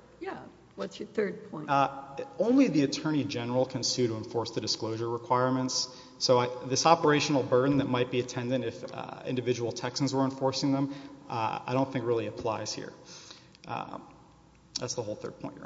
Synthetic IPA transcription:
jæ | wʌtsjə˞θɜ˞d̚pʰɔ̃ɪ̃nõʊ̃nliðiɨtʰɜ̃˞ɾ̃id͡ʒɛnə˞l̩ˠkʰɨ̃nsʉɾəə̃ɱfɔɹsðɨdɨskloʊʒə˞ɹəkʰw̥aɪɹmɨ̃ntsː | oʊaɪðɪsɑpə˞eɪʃn̩l̩ˠbɜ˞dⁿn̩ðɨt̚maɪt̚b̥iɨtʰɛ̃ndɨ̃ñɨfɪ̰̃ndɨvɪd͡ʒəwl̩ˠtʰɛksnzwə˞ɨ̃ɱfɔɹsɪ̃ŋðə̃m | a̰ɪɾõʊ̃nθɪ̃ŋk̚ɹɪlˠiɨpʰl̥aɪz̥hḭɹ | ðætsðəoʊlˠθɜ̰˞d̚pʰɔ̃ɪ̃nʔ

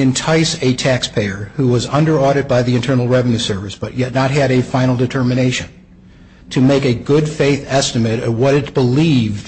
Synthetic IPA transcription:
ɨ̃ntʰaɪsɨtʰækspʰeɪə˞huwʌzʌ̃ndə˞ɔɾɨt̚baɪðiɨ̃ntʰɜ̃˞nl̩ˠɹɛvɨnʉsɜ˞vɨsb̥ʌʔ̚jɛtⁿnət̚ɦɨɾɨfãɪ̃nl̩ˠdɨtʰɜ˞mɨñeɪʃɨ̃n | tʰɨmeɪkɨɡʊdfeɪθɛstɨmɨɾʌvwʌɾɨt̚b̥əlivd

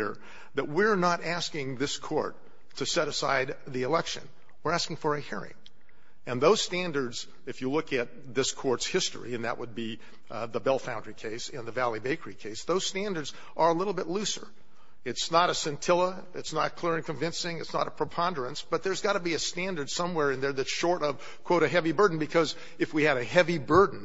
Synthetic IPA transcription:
ɹ | ðɨt̚wɪɹnəɾæskɪ̃ŋðɪskʰɔ̰ɹtʰ | ɨsɛɾɨsa̰ɪd̪̚ | ðiɨlɛkʃɨ̰̃n | wɨɹæskɪ̃ŋfə˞ɨhiɹɪ̰̃ŋ | ɨ̃nðoʊz̥stæ̃ndə˞dz | ɨfjɨlʊkɨt̪̚ðɪskʰɔɹtshɪstɹ̥ḭɨ̃nðɨ̰ʔ̚wʔəd̚bi | ðəbɛlˠfãʊ̃ndɹikʰeɪsɨ̃nðɨvælˠibeɪkə˞ikʰeɪsðoʊz̥stæ̃ndə˞dz̥ | ʔə˞əlɪɾl̩ˠbɪtˡlʉsə̰˞ | ɨtsnəɾɨsɨ̃ntʰɪlˠə | ɨtsnət̚kʰl̥ɪɹɨ̃nkʰɨ̃ɱvɪ̃nsɪ̃ŋɨtsnə̰ɾəpʰɹ̥əpʰɑ̃ndə˞ɨ̃nsb̥ʌt̪̚ðə˞zɡɑɾəbiɨstæ̃ndə˞d̥sʌ̃mwɛɹɨ̃nðə˞ðɨʃɔɹɾʌv̥ | kʰw̥oʊɾɨɦɛvibɜ˞dⁿn̩bɨkʰʌz | ɨfwiɨɾɨɦɛvibɜ˞dⁿn̩

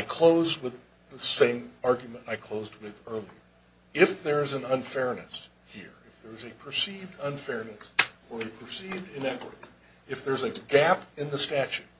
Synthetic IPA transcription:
aɪkʰl̥oʊz̚wɪð | əsẽɪ̃mɑɹɡjmə̃ntaɪkʰl̥oʊzd̚wɪðɜ˞lˠiə˞ | ɪfðə˞zɨ̃nʌ̃nfɛɹnɨs | hiɹɨfðə˞zɨpʰə˞sivdʌ̃nfɛɹnɨsə˞ɨpʰə˞sivdɨ̃nɛkwə̰ɾḭ | ɨfðə˞zɨɡæpɨ̃nðəstæt͡ʃʉt̚

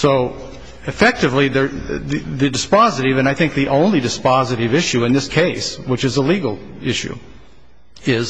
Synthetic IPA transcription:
soʊ | ɨfɛk̚tɨvliðə˞ðɨðɨdɨspɑzɨɾɨvɨ̃ñaɪθɪ̃ŋk̚ðiʔõʊ̃nlidɨspɑzɨɾɨvɪʃʉɨ̃nðɪskʰeɪswət͡ʃɨzəliɡl̩ˠɪʃʉ̰ | ɪz̥

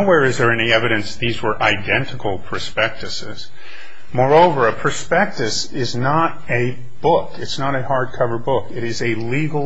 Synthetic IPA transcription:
wɛɹɨzðə˞ɛñiɛvɨɾɨ̃nsðizwə˞ʔaɪdɛ̃ntʰɨkl̩ˠpʰə˞spɛk̚tɨsɪ̰z̥ | mɔɹoʊvə˞ɨpʰə˞spɛk̚tɨs | ɪznəɾ | ɨ | b̥ʊkɨtsnəɾɨhɑɹd̚kʰʌvə˞d̚bʊkɨɾɨzɨliɡl̩ˠ

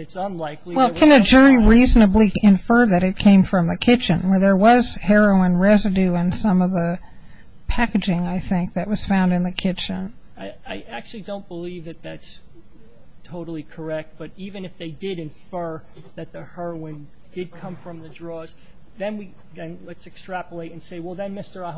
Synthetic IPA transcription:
ɨtsə̃nlaɪkliwɛlˠkʰɨ̃nɨd͡ʒʊɹiɹiznɨbliɨ̃ɱfɜ˞ðɨɾɨt̚kʰẽɪ̃ɱfɹʌ̃mðɨkʰɪt͡ʃɨ̰̃nwə˞ðə˞wʌz̥hɛɹoʊə̃nɹɛzɨdʉɨ̃nsʌ̃mʌvðə | pʰækɨd͡ʒɪ̃ŋaɪθɪ̃ŋk̚ðɨʔ̚wʌz̥fãʊ̃ndɨ̃nðɨkʰɪt͡ʃɨ̃n | ɪaɪʔæk̚t͡ʃʉl̩ˠidõʊ̃nb̥əlivðɨt̪̚ðæts | tʰoʊɾl̩ˠikʰə˞ɛk̚t̚b̥ʌɾivɨ̃nɨfðeɪdɪɾɨ̃ɱfɜ˞ | ðɨt̪̚ðɨhɛ˞oʊɪ̃n | d̥ɨd̚kʰʌ̃ɱfɹʌ̃mðɨdɹɔz̥ | ðɨ̃nwi | ðɨ̃nlətsɨkstɹ̥æpəleɪɾ̃n̩seɪwɛlˠðɨ̃nmɪstə˞

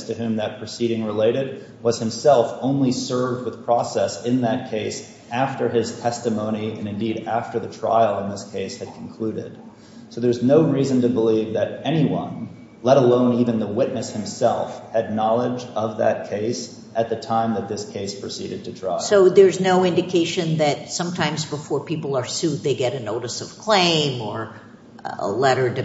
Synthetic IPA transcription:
stʰɨhʉ̃mðɨt̚pʰɹ̥ɨsiɾɪ̃ŋɹəleɪɾɪd̚ | wʌz̥hɨ̃msɛlˠfõʊ̃nlisɜ˞vd̚wəð̥pʰɹ̥ɔsɛsɨ̃nðɨt̚kʰeɪs | æftə˞ɪz̥tʰɛstɨmõʊ̃ñiɨ̰̃nɨ̃ndiɾæftə˞ðɨtʰɹ̥a̰ɪl̩ˠə̃nðɪskʰeɪshɨd̥̚kʰn̩kʰl̥ʉɾɪ̰d̥̚ | soʊðə˞znoʊɹizɨ̃n̩tɨbəlivðɨɾɛñiwʌ̰̃n | lɛɾəlõʊ̃nivɨ̃nðəwɪtⁿnɨshɨ̃msɛ̰lˠfhɨdⁿnɑlˠɪd͡ʒʌvðɨ̰t̚kʰeɪs | ʔɨt̪̚ðɨtʰãɪ̃mðɨt̪̚ðɪskʰeɪspʰɹ̥ɨsḭɾɨd̚tʰɨtʰɹ̥a̰ɪsoʊðə˞znoʊɪ̃ndɨkʰeɪʃɨ̃nðɨt̚sʌ̃mtʰãɪ̃mzbəfɔɹpʰipl̩ˠə˞sʉt̪̚ðeɪɡɛɾɨnoʊɾɨsʌv̥kʰl̥ẽɪ̃mə˞ | ə̰lɛɾə˞d

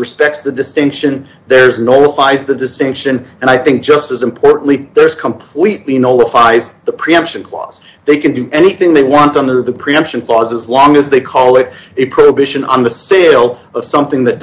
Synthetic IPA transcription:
ɹɨspɛk̚tsðɨdɨstɪ̃ŋkʃɨ̃n | ðə˞znoʊlˠəfaɪzðɨdɨstɪ̃ŋkʃɨ̃nɨ̃ɾ̃aɪθɪ̃ŋk̚d̥ʒ̥ʌstɨzɨ̃mpʰɔɹʔn̩ʔliðə˞z̥kʰə̃mpʰl̥iʔˡlinoʊlˠəfaɪzðəpʰɹ̥iɛ̃mpʃɨ̃n̩kʰl̥ɔ̰z̥ | ðeɪkɨ̃ndɨʔɛñiθɪ̃ŋðeɪwɑ̃ntʌ̃n̩əðɨpʰɹ̥iɛ̃mpʃɨ̃n̩kʰl̥ɔzəzlɔ̃ŋɨzðeɪkʰɔlˠɪɾɨpʰɹ̥oʊəbɪʃɨ̃nə̰̃nðɨseɪlˠ | ʌv̥sʌ̃mθɪ̃ŋðɨt̚d̥

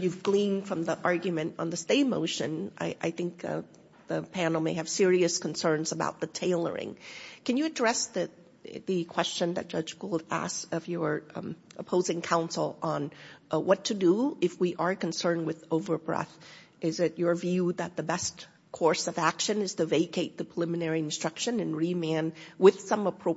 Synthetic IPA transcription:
jʉvɡlĩnd̥fɹʌ̃mðiʔɑɹɡjɨmɨ̃ntn̩ðɨsteɪmoʊʃɨ̃nʔa̰ɪʔa̰ɪθɪ̃ŋk̚ | ðɨpʰænl̩ˠmeɪɨv̥sɪɹiɨskn̩sɜ̃˞nzəba̰ʊt̪̚ðɨtʰeɪlˠə̰˞ɪ̰̃ŋkɨ̃njɨɨdɹɛsðɨ | ðɨkʰw̥ɛst͡ʃɨ̃nðɨ̰t̚d̥ʒ̥ʌd͡ʒwɪlˠæ̰sʌvjə˞ʔəpʰoʊzɪ̃ŋkʰãʊ̃nsl̩ˠə̃nwʌtʰɨdəɨfwiʔə˞kɨ̃n̩sɜ̃˞n̚wɨðoʊvə˞bɹɛ̰θ | ɪzɨt͡ʃə˞vjʉðɨt̪̚ðɨbɛs | kʰɔɹsʌvækʃɨ̃nɨz̥tʰɨveɪkʰeɪt̪̚ðɨpʰɹ̥əlɪmɨnɛɹiɨ̃nstɹ̥ʌkʃɨ̃nɨ̃nɹimæ̃nwɪð̥sʌ̃məpʰɹ̥oʊ

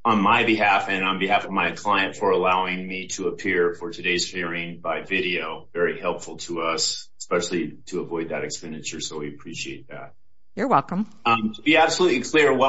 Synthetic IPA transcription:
ə̃nmaɪbɨɦæfɨ̃nə̃nbɨɦæfʌvmaɪkʰl̥aɪɨ̃ntfə˞əlaʊɪ̃ŋmiɾəəpʰɪɹfə˞tʰɨdeɪz̥fɪɹɪ̃ŋbaɪvɪɾioʊvɛɹihɛlˠpfl̩ˠtʰəʌsəspɛʃl̩ˠiɾɨəvɔɪd̪̚ðɨɾɨkspɛ̃ndɨt͡ʃə˞soʊwiɨpʰɹ̥iʃieɪt̪̚ðæ̰t̚ | jə˞wɛlˠkə̃m̃ | tʰəbiæb̥səlutˡlikʰl̥ɪɹwʌ

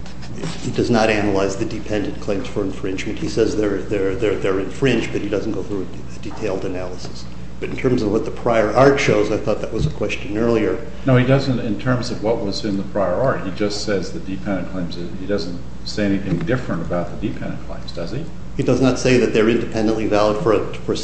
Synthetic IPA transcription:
hidʌznəɾænəlˠaɪzðɨdɨpʰɛ̃ndɨ̃nkʰl̥ẽɪ̃mz̥fə˞ɨ̃ɱfɹɪ̃nd͡ʒmɨ̃nt̚hisɛzðə˞ðə˞ðə˞ðə˞ɨ̃ɱfɹɪ̃nd͡ʒb̥ʌt̚hidʌzn̩ɡ̥oʊθɹuɨ | ditʰeɪlˠdɨnælˠəsə̥s | b̥ʌɾn̩tʰɜ̃˞mzʌvwʌt̪̚ðəpʰɹ̥aɪə˞ʔɑɹtʃoʊzaɪθɔt̪̚ðəʔ̚wʌzəkʰw̥ɛst͡ʃɨ̃nɜ˞lˠiə˞ | noʊidʌzɨ̃ntɨ̃ntʰɜ̃˞mzʌvwʌt̚wʌzɨ̃nðəpʰɹ̥aɪə˞ɑɹt̚hid͡ʒʌstsɛzðɨdɨpʰɛ̃ndɨ̃nkʰl̥ẽɪ̃mzɨ | idʌz̃n̩t | seɪɛniθɪ̃ŋdɪfɹɨ̃nəbaʊt̪̚ðɨdɨpʰɛ̃ndɨ̃nkʰl̥ḛ̃ɪ̃mzdʌz̥i | hidʌznətseɪðɨt̪̚ðə˞ɪ̃ndɨpʰɛ̃ndə̃nʔlivælˠəd̥fə˞ | fə˞

